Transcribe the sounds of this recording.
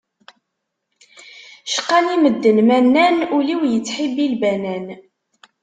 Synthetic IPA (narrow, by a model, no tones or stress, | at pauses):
ʃə̥qːɑniməd̪ːənmænːænuliwjət͡sːħibilbænæn